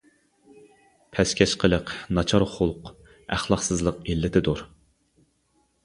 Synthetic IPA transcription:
pʰɛskʲʰɛʃqʰəlˠəqnɑt͡ʃʰɑɾχulˠq | æχlˠɑχsɨzlˠəqilːɪt̪ʰɪd̪oɾ

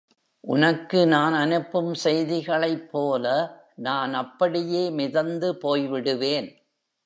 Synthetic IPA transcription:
ʔʊ̰nɐkːɯnaːnɐnɯpːɯmsɛjðɪɣɐɭɐɪpːoːlɐ | naːnɐpːɐɽɪjeːmɪðɐnd̪ɯpoːjʋɪɽɯʋeːn

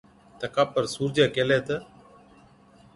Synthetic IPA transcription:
t̪əkaːpəɾsuːɾd͡ʒaːkeːleːt̪ə

